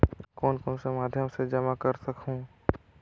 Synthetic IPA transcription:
kɔːnkɔːnsemaːd̪ʱjəmsed͡ʒɐmakɐɾsɐkɦũː

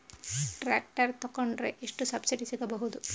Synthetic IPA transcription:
ʈɾaːk̚ʈɐɾt̪ɔkːoɳɖɾḛʔeʂʈusɐbsiɖisiɡɐbɐɦud̪u

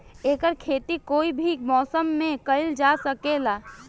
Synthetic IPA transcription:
eːkəɾkʰeːt̪ikoːibʱimɔːsəmːẽkəɪld͡ʒaːsəkelaː

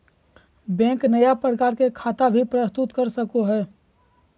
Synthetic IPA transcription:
bɛ̃ːknəjapɾəkaːɾkekʰaːt̪abʱipɾəst̪ʊt̪kəɾsəkoɦɛː

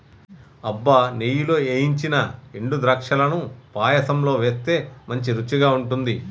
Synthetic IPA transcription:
ɐbːɐniːjuloːeːjiɲt͡ʃinɐeɳɖud̪ɾɐkʂɐlɐnupaːjɐsɐmlo̞ːʋe̞ːst̪e̞ːmɐɲt͡ʃiɾut͡ʃːiɡaːuɳʈund̪i

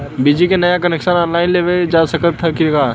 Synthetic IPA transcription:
bid͡ʒikenɐjakɐnekʃənɔːnlaːɪnleʋed͡ʒaːsəkət̪ʰːɐkikaː

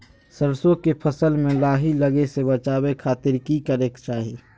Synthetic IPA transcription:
səɾsõkepʰəsəlmẽlaːɦiləɡesebət͡ʃaːbekʰaːt̪ɪɾkikəɾekt͡ʃaːɦi

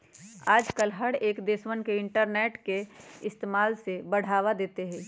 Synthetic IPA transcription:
aːd͡ʒkəlɦəɽeːkd̪eːswənkeɪɳʈəɾneːʈkeɪst̪eːmaːlsebəɽ̤aːʋad̪eːt̪eɦɛ̃ː

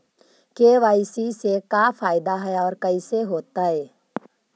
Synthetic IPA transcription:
keːʋaːɪsisekaːfʰaːɪd̪aɦɛɔːɾkɐiseɦoːt̪aɦɛː

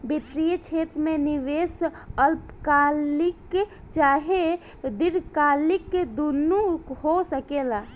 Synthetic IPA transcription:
biʈ̪ɾijet͡ʃʰet̪ɾmeniʋes | əlpkalik | t͡ʃaɦe | d̪iɾkalikd̪unːukhosəkela

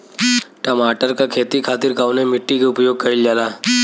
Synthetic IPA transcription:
ʈəmaːʈəɾkakʰeːt̪ikʰaːt̪ɪɾkaːʋnemɪʈːikeʊpjoːɡ̚kɐɪld͡ʒaːlaː

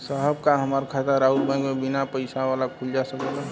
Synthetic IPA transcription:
səɦəbkaɦəmaːɾkʰat̪əɾaʊt̪bə̃ɡmebɪnapəɪsaʋaːlakʰʊld͡ʒasəkela

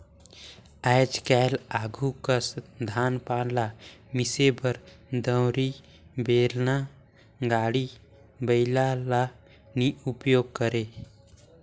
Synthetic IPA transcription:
ɛɪd͡ʒkɛːlaːɡʱukəsd̪ʱaːnpaːnlamisebəɾd̪ə̃wɾi | beːlna | ɡaːɽi | bəɪlala | niupjoːɡ̚kəɾe

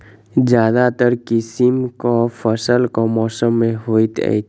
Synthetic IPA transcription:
d͡ʒjaːd̪at̪əɾkɪsimkopʰəsəlkomɔːsəmːẽɦoːit̪ə̰jt̪

